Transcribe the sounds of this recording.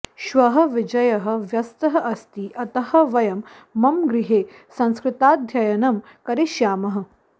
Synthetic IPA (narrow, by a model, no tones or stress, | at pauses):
ʃʋɐɦɐ̆ʋid͡ʒɐjɐɦɐ̆ʋjɐst̪ɐɦɐʔɐst̪iʔɐt̪ɐhɐ̆ʋɐjɐmː | ɐmɡɾɪɦeː | sɐ̃ñskɾɪt̪aːd̪ʱjɐjɐnɐm | kɐɾeʃjaːmɐɦɐ̆